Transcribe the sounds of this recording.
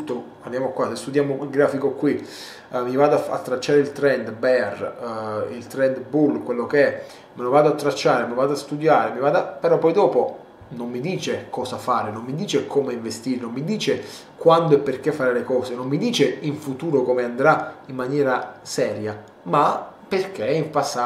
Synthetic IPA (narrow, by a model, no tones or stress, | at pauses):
ut̪ːo | and̪jamokwasest̪ud̪jaːmoilɡɾaːfikokwi | mivaːd̪aa̰t̪ːɾat͡ʃːaːɾeilt̪ɾɛnd̪bɛr | ilt̪ɾɛnd̪bulkwelːokeɛ | menovaːd̪oat̪ːɾat͡ʃːaːɾemivaːd̪oast̪ud̪jaːɾemivaːd̪apeɾɔpːɔjd̪ɔːpo | nomːid̪iːt͡ʃekɔːsafaːɾenomːid̪iːt͡ʃekʰomeiɱvest̪iɾenommːid̪iːt͡ʃe | kwand̪oɛpːerkefːaɾelekɔːzenomːid̪iːt͡ʃeiɱfut̪uːɾokomeand̪ɾaimːanjɛːɾasɛːɾja | maperk̟eiɱpasːa